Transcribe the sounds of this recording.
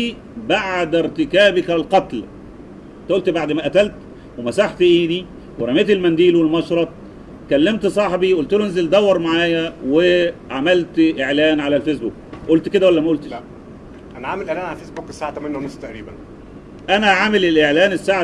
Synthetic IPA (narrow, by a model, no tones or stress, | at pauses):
i | baʕd̪ɪɾt̪ɪkæːbɪkælqɑt̪l | nt̪æʔolt̪baʕd̪mæʔæt̪ælt̪ | wemæsaħt̪ʔiːd̪i | weɾˤɑmeːt̪elmænd̪iːlwelmɑʃɾˤɑt̪̚ˤ | kælːemt̪sˤɑħbiʔolt̪elonezeld̪æwːɑɾˤmaʕaːjæweʕamælt̪ʔeʕlæːnʕalælfesbuk̚ʔolt̪ked̪æwælːæmæʔolt̪eʃ | ʔænæʕamelʔeʕlæːnʕalæfeːsbuːke̥sːaːʕat̪æmænːæwnosːˤt̪æʔɾiːbæn | ʔænæʕamelelʔeʕlæːnesːaːʕa